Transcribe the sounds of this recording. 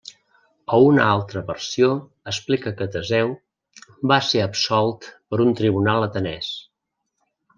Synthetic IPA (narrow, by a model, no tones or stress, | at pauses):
əunəalˠt̪ɾəβərsio | əsplikəkət̪əzɛw | baseəpsɔlˠt̪pəɾunt̪ɾiβunalˠət̪ənɛs